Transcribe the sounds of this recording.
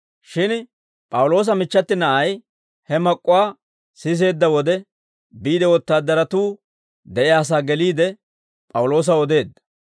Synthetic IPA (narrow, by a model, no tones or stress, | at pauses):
ʃɪn | pʼɐwʊlo̞ːs̬ɐmɪt͡ʃːɐt̪ːɪnɐʔɐj | hɛmɐkʼːʊwaː | sɪs̬e̞ːd̪ːɐwɔd̪ɛ | biːd̪ɛwɔt̪ːaːd̪ːɐɾɐt̪uː | d̪ɛʔɪjaːs̬aːɡɛliːd̪ɛ | pʼɐwʊlo̞ːs̬ɐɔd̪e̞ːd̪ːɐ̥